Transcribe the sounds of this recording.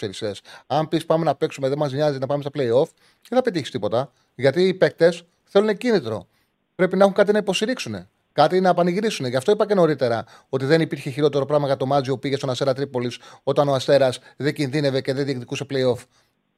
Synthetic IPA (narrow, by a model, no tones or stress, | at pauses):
eɾisesɐmpispɐme̞nɐpe̞ksume̞ðemɐzmɲɐzinɐpɐmest̪ɐple̞io̞f | eθɐpet̪içist̪ipo̞t̪ɐ | ʝɐt̪iːpe̞k̚t̪e̞s | θe̞lunecinit̪ɾo̞̰ | pɾe̞pinɐexuŋkɐt̪̬inɐipo̞st̪iɾiksune̞̰ | kɐt̪inɐpɐniɣɾisuneʝɐft̪o̞ipɐce̞no̞ɾit̪e̞ɾɐ | o̞t̪iðe̞nipiɾçe̞çiɾo̞t̪e̞ɾo̞pɾɐɣmɐkɐt̪o̞mɐzioupiʝest̪o̞nɐst̪e̞ɾɐt̪ɾipo̞liso̞t̪ɐnoɐst̪e̞ɾɐsðeɟinðine̞ve̞ce̞ðeðiekt̪ikuse̞ple̞io̞f